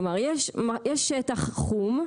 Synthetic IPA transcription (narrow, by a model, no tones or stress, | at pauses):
maʁjɛʃmajɛʃɛtaχχum